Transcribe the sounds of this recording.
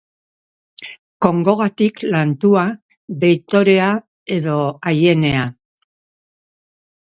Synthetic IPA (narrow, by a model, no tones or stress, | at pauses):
ko̞ŋɡo̞ɣat̪iklant̪ua | βe̞jt̪o̞ɾe̞a | e̞ðo̞aje̞ne̞a